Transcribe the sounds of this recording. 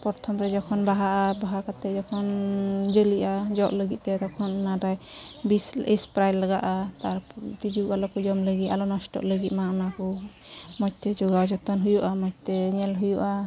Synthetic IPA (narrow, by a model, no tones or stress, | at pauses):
pɔɾt̪ʰɔmɾɛd͡ʒɔkʰɔnbaɦaʔabaɦakat̪ɛd͡ʒɔkʰɔnd͡ʒəliʔad͡ʒɔʔləɡit̪̚t̪ɛt̪ɔkʰɔnɔnadajbisispɾajlːaɡaʔat̪aɾt̪id͡ʒualɔpud͡ʒɔmləɡit̪alɔnɔsʈɔ̰ʔləɡit̪̚maɔnakɔ | mɔt͡ʃ̚t̪ɛd͡ʒɔɡawd͡ʒɔt̪ɔnɦujuʔamɔt͡ʃ̚t̪ɛɲɛlɦujuʔa